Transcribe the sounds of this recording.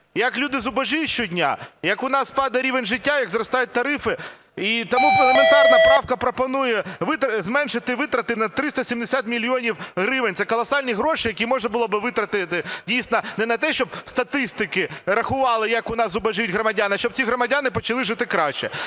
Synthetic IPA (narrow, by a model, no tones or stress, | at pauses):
jɐklʲud̪ɪzʊbɐʒijʊʃt͡ʃɔdʲnʲa̰jɐkʊnɑspɑd̪ɐɾʲiʋenʲʒɪtʲːajɐɡzɾɔst̪ɑjʊt̚ʲt̪ɐɾɪfɪ | it̪ɔmuɔnɛp̪ɛɾnɐpɾɑwkɐpɾɔpɔnujɛʋɪt̪ɾɐzmɛnʃɪt̪ɪʋɪt̪ɾɐt̪ɪnɐt̪ɾɪst̪ɐsʲimd̪esʲat̪mʲilʲiɔnʲiwɦɾɪʋɪnʲt̪ɛkɔlˠɐsɑlʲnʲiɦɾɔʃɪjɐkʲimɔʒnɐbʊlˠɔbɪʋɪt̪ɾɐt̪ɪt̪ɪdʲijsʲnɔnɛnɐt̪ɛʃt͡ʃɔb̚st̪ɐt̪ɪst̪ɪkɪɾɐxʊʋɑlˠɪjɐkʊnɑszʊbɐʒjtʲɦɾɔmɐdʲanɐʃt͡ʃɔp̚t͡sʲiɦɾɔmɐdʲanɪpɔt͡ʃɐlˠɪʒɪt̪ɪkɾɑʃt͡ʃɛ̰